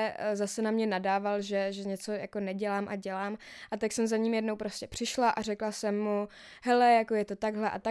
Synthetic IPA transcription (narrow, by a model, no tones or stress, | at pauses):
zasɛnamɲɛnadaːvalʒɛʒɛɲɛt͡so̞jako̞nɛɟɛlaːmʔa̰ɟɛlaːmʔat̪aksɛmzaɲiːmjɛdnowpɾo̞scʲɛpr̝̥ɪʃlaʔarɛklasɛmːu | hɛlɛjako̞jɛt̪o̞t̪aɡɦlɛʔa̰t̪a